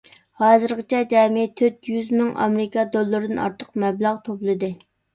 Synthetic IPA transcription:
hɑːzɨɾʁət͡ʃʰɛd͡ʒɑːmɪt̪ʰøt̪jyzmɪŋʔɑ̰mɪɾɨkɑd̪olˠːɨɾɨd̪ɨnɑ̰ɾt̪ʰəqmɛblˠɑʁt̪ʰoplˠɨd̪ɨ

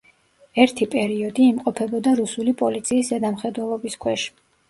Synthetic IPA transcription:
ɛɾt̪ʰipʼɛɾiɔd̪iːmqʼɔpʰɛbɔd̪aɾusulipʼɔlit̪sʰiːszɛd̪amχɛd̪wɛlˠɔbiskʰwɛʃ

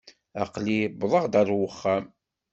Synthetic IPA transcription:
ɑ̰qlibðˤəʁd̪æɾˤwəχːæm

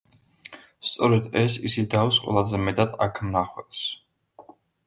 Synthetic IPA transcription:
st̪sʼɔɾɛd̪ɛsisid̪awsqʼwɛ̰lˠazɛmɛt̪ʼad̪akʰmnaχwɛps

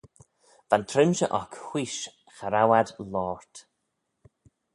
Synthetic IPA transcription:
v̥ant̪ʰɾɪmʃəʔɔkhwiːʃ | xaɾawad̪lɔːɹt̪

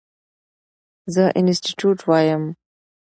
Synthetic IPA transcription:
zəʔɪnsʈiʈjuːʈwaːjəm

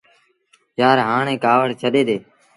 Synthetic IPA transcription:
jaːɾɦaːɳẽːkaːʋəɽt͡ʃʰəɗeːd̪eː

